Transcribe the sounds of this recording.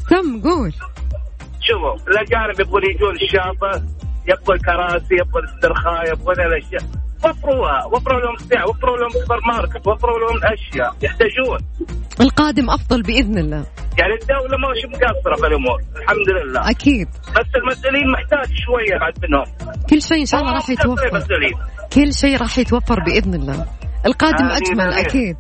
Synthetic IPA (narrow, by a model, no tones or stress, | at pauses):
kamːɡuːl | ʃʊfuɪlʔad͡ʒaːnɪbjɪb̚ɣuːljɪd͡ʒuːnɪʃːaːfˤɨjɪb̚ɣulkɑɾˤɑːsijɪb̚ɣʊlɪst̪ːɨɾxaːjɪb̚ɣulalʔaʃjaːwɑfɾˤuːhawɑfɾˤuːlahʊmsɪːʕawɑfɾˤuːlahʊmsafɑɾˤmɑːɾˤkawɑfɾuːlahʊmʔaʃjajɪħt̪ad͡ʒuːnʔɪlqɑːd̪ɪmʔɑfðˤɑlbɪʔɪðnɪlːaː | jaʕnid̪awlamaʃimʊɡasɑɾˤɑbɪlʔʊmuːɾˤɪlħamd̪lɪlːa̰ːʔakʰiːd̪̚ | basːɪlmasʔʊliːnmɪħt̪aːd͡ʒʃwajːabaʕd̪̚bɪnʊmkʊlːʃeːʔɪnʃaːlˤːɑɾˤɑːħjɪwafmasˤʔʊliː | kʊlːʃeːɾˤɑːħjɪt̪wafːɑɾˤbɪʔɪðnɪlːa̰ːʔɪlqɑːd̪ɪmʔad͡ʒmalʔakiːd̪̚